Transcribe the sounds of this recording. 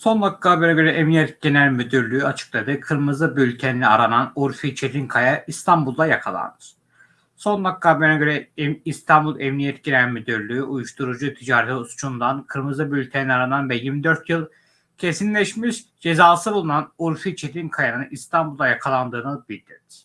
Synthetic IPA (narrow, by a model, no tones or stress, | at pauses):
so̞nːok̚k̪ʰːaːbønaɟøɾɛʔɛmnijɛt̪̚ɟenæɾmyd̪yɾlʲyyat͡ʃʰɯ̥klˠad̪ɯkʰɯɾmɯzɯbylʲc̪ʰenlʲiaɾananuɾfit͡ʃʰed̪inkʰajaist̪ʰambulˠd̪ˠajakʰalˠa̰nɯɾ̥ | so̞nːˠok̚k̪ːʰaːbønaɟø̞ɾɛist̪ʰambulˠʔɛmnijɛt̪̚ɟenæɾmyd̪yɾlʲyyʔujuʃt̪ʰuɾud͡ʒut̪ʰid͡ʒaːɾet̪ʰɛust͡ʃʰund̪ankʰɯɾmɯzˠɯbylʲt̪ʰenilʲɛaɾananvɛjiɾmid̪øɾt̪jɯlˠ | cʰe̞sinlʲɛʃmiʃd͡ʒe̞zaːsɯbulˠunanuɾfit͡ʃʰed̪inkʰajanɯnist̪ʰambulˠajakʰalˠand̪ɯːnɯbilʲd̪ḭɾniɾ̥